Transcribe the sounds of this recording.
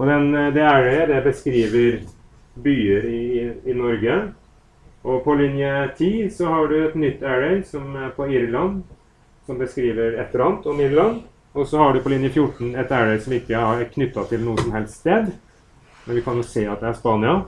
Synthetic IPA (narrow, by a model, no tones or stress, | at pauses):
ɔd̪ɛnd̪ɛæɾɛd̪ɛbəskɾiːʋəɾ | byːəɾɪɪnɔɾɡə | ʔɔpʰɔlɪnjət̪ʰiːsɔhɑɖʉɛt̪nʏt̪ːæɹɛɪsɔmæɾpʰɔɪɾlɑn | sɔmbəskɾiːʋəɾɛt̪ːəɾɑnt̪ɔmɪɾlɑn | ɔsɔhɑɖʉpʰɔlɪnjəfjʊʈɳ̩ɛt̪æɾɛsɔmɪkːəɑɾkʰnʏt̪ːɑt̪ʰɪlnuːəsɔmhɛlstst̪eːd̪ | mɛnʋɪkʰɑnjʊseːɑt̪̚d̪ɛæʂpɑːnɪɑ